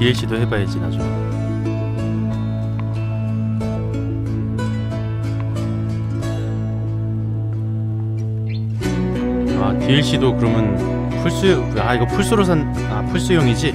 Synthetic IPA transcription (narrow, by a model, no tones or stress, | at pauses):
iiɭɕ͈idohe̞baɦed͡ʑinad͡ʑo | atiiɭɕ͈idokɯɾʌmjʌn | pʰuɭs͈u | aiɡʌpʰuɭs͈uɾosʰan | apʰuɭs͈ujoŋid͡ʑi